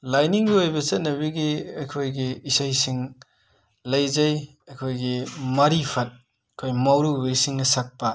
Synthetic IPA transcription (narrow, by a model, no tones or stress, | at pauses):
lajniŋbiojbɐt͡ʃɐt̚nɐβiɡiɐkʰojɡiːsajsiŋ | lɐjzɐj | ɐkʰojɡimɐɾipʰɐt̚ | ɐkʰojmawɾubeisiŋnɐsɐk̚pɐ